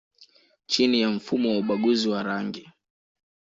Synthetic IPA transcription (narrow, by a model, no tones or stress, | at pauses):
t͡ʃinijam̩fumɔwauɓaɠuziwaɾaŋɡi